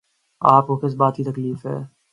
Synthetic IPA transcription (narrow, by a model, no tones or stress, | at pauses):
aːpokɪs̬baːt̪kit̪ɐkliːfɦɛ̰ː